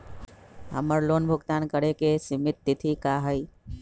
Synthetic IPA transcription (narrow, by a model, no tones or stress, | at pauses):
ɦə̰məɾloːnbʱʊɡt̪aːnkəɾekesɪmɪt̪ːɪt̪ʰikaːɦəi